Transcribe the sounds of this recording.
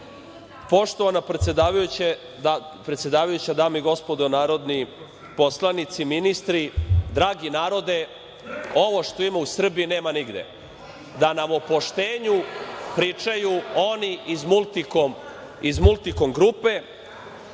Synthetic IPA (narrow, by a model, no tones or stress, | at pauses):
po̞ʃt̪o̞ʋanapɾet̪sjed̪aːʋajut͡ɕe | d̪apɾet̪sje̞d̪aːʋajut͡ɕad̪aːmiɡo̞spo̞d̪onaːɾo̞d̪ni | po̞slˠanit̪siminist̪ɾid̪ɾaːɡinaːɾo̞d̪e̞ | o̞ʋo̞ʃt̪o̞imausr̩biːneːmaniɡd̪ḛ | d̪anaʋopo̞ʃt̪eːɲupɾiːt͡ʂajuoniʔizmult̪ik | izmulˠt̪iko̞mɡɾupe̞